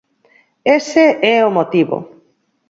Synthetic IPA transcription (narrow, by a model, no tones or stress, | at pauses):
eseɛomot̪iβo̰